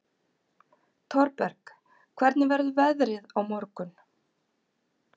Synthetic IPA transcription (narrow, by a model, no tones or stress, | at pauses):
t̪ʰɔɾpɛɾ̥k | kʰvɛɾt̪nɪvɛɾðʏvɛðɾɪðawmɔɾkʏn